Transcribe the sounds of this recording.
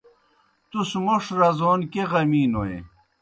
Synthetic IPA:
t̪usmoʂɾɐzoːnkeʁɐmiːnoḛ

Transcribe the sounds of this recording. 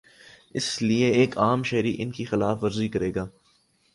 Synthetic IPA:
ɪslieeːkʰaːmʃɐɦɾiʔɪnkixɪlaːfʋɐɾzikɐɾeːɡaː

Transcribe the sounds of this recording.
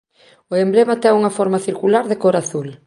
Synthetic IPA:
oemblemat̪ɛuŋɐfɔɾmaθiɾkulaɾðekoɾaθul

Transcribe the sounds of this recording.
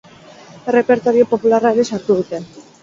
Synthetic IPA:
re̞pe̞ɾt̪o̞ɾio̞po̞pularaeɾe̞saɾt̪uð̞ut̪e̞

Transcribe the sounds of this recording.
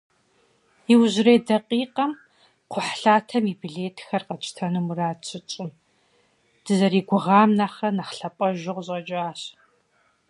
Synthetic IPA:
iwʑɪrejdɐqʼiːqɐm | qʷʰʊħɬaːtʰɐmibiɮeːtʰxɐrqɐt͡ʃʼɪ̥tʰɐnɨmuraːt͡ʃʰɪt͡ʃʼɪm | d̥ɨzɐɾiːɡʷʊʁɑːmnaːχɐnɐχɬɐpʼɐʒɪʁɕʼɐd͡ʒʼaːɕ

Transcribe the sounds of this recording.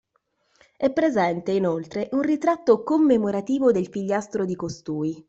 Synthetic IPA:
ɛpːɾezɛnt̪einolt̪ɾeʔunrit̪ɾat̪ːokomːemoɾat̪iːvod̪elfiʎːast̪ɾod̪ikost̪uːi

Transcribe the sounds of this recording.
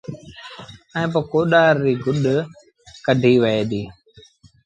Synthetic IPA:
ə̃ːp̬əkoːɗaːɾːiːɡʊɗ | kəɖʱiːʋəeːd̪iː

